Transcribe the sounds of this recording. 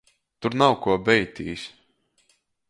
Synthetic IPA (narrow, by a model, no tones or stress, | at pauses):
t̪uɾnawkuɔbɛjt̪iːsʲ